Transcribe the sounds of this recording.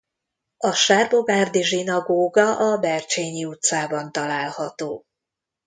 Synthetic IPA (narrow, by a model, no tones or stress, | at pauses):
ɒʃaːrboɡaːrd̪iʒinɒɡoːɡɒʔɒbɛrt͡ʃeːɲiut̪saːbɒnt̪ɒlaːlhɒt̪oː